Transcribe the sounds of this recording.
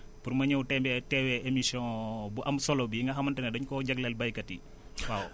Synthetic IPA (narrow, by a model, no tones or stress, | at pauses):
purmɐɲɐwtɛmbɛtɛwɛemisjɔ̃buʔɐmsɔlɔbiiŋɡɐɦɐmɐntɛnɛdɐɲkɔɟɐɡlɛlbɐjkɐti | waw